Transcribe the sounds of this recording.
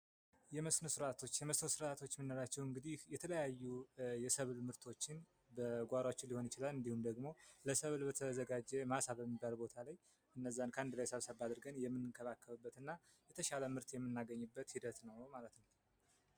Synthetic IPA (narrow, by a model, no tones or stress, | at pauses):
jɛməsnosɨɾat̪ʰo̞t͡ʃːjɛməsnosɨɾʔat̪ʰot͡ʃːmɨnːoɾat͡ʃːɛwɨŋɡɨd̪ihjɛt̪ʰələjajːujɛsəβlmɨɾt̪ʰo̞t͡ʃːɪn | bəɡʷaɾot͡ʃːɪliho̞nɪt͡ʃɪlalɨnd̪ihumd̪əɡmo̞ləsəβlbət̪ʰəzəɡad͡ʒɛmasaβbəmːibːalbo̞t̪ʰalaj | ʔɨnːəzːankʰəand̪lajsəβsəβad̪ɨɾɡənjɛmːɨnɨnkʰəβakːəβəbːət̪ɨnːa | jɛt̪ʰəʃaləmɨɾt̪jɛmːɨnːaɡəɲːɨbːət̪hid̪ət̪nəwmalət̪nəw